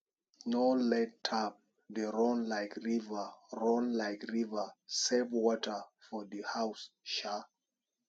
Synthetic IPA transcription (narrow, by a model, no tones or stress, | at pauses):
nolɛt̚tʰap̚ | dəɹɔ̃nlaɪkɹivəɹɔ̃nlaɪkɹivəsɛvwɔtʰə˞fɔðəhaʊsʃa